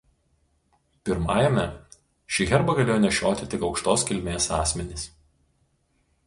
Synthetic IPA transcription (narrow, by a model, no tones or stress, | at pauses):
pʲɪɾmɑːjɛmʲɛ | ʃʲiɣʲɛɾbɐɡɐlʲeːjɔnʲɛʃʲoːt̪ʲɪt̪ʲɪkɒʊkʃt̪oːskʲɪlʲmʲeːsɑːsʲmʲɛnʲɪs